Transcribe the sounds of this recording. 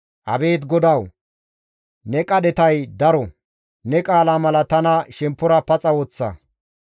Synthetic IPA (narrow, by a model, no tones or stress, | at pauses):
ʔɐ̰be̞ːt̪ɡɔd̪ɐw | nɛkʼɐɗ̪ɛt̪ɐjd̪ɐɾɔ | nɛkʼaːlaːmɐlɐt̪ɐnɐʃɛmpːʊɾɐpɐt͡sʼɐwɔt͡sːɐ̰